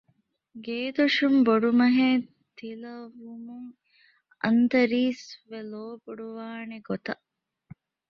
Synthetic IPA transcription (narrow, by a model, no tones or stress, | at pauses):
ɡeːd̪uʂumboɖumɐɦeː | t̪ilɐʋumuŋ | ɐ̰nt̪ɐɾiːsʋeloːbuɖuʋaːneɡot̪ɐ